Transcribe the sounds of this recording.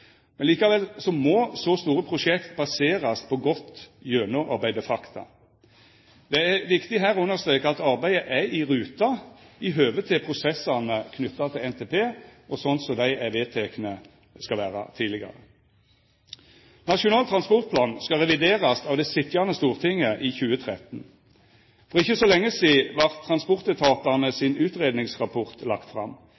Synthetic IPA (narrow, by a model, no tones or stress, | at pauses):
mɛnliːkɑʋɛlsɔmɔsɔst̪uːɾəpʰʁʊʂɛkt̪bɑseːʁɑspʰɔɡɔt̪jøːnʊʔɑ̰ʁbæɪd̪əfɑkt̪ʰɑ̰ | d̪̥ɛæʋɪkt̪ɪɦæːɾɔʉnːəʁst̪ɾeːkəɑt̪ɑʁbæɪəʔæɪʁʉːt̪ɑɪɦøːʋət̪ʰɪpʰʁʊsɛsɑnəkʰnʏt̪ːɑt̪ʰɪlɛnt̪ʰeːpʰeːʔɔsɔnt̪sɔd̪æɪæʋeːt̪ʰɛknə | skɑʋæːʁə̰t̪ʰiːlɪɡɑ̰ʁə̰ | nɑʂʊnɑːlt̪ʰʁɑnspɔʁt̪̚pʰlɑːnskɑʁɛʋɪd̪eːʁɑst̪ɑːʋd̪ɛsɪt̪jɑnəst̪uːʁt̪ʰɪŋːəʔiçʉːət̪ʰʁɛt̪n̩ | fɔʁɪçːəsɔlɛŋːəsiːʋɑʁt̪ʰːʁɑnspɔʁt̪ət̪ʰɑːt̪ɑnəsɪnʉːt̪ʁeːd̪nɪŋsʁɑpʰɔʁt̪lɑ̰kt̪fʁɑ̰m